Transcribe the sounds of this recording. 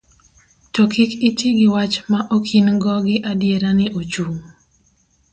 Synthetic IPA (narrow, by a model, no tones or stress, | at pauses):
tɔkɪkɪtiɡɪwat͡ʃmaʔokʰinɡɔɡɪʔadjeɾanɪʔot͡ʃuŋ